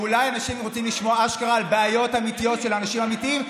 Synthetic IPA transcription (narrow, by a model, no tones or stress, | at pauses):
ulajanaʃimʁot͡simliʃmo̞aʃkaʁaːlbeajot̪amit̪ijo̞tʃe̞lanaʃimamit̪iim